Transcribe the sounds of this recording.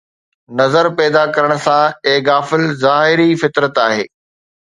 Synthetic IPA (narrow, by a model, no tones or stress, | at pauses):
nɐzəɾpɛːd̪akɐɾəɽ̃̆sãeːɡaːfɪlzaːɦɪɾifɪt̪ɾət̪aːɦeː